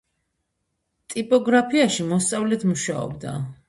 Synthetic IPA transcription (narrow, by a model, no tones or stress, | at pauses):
t̪ʼipʼɔɡɾapʰiaʃimɔst̪sʼavlɛt̪ʰmuʃaɔ̰bd̪a̰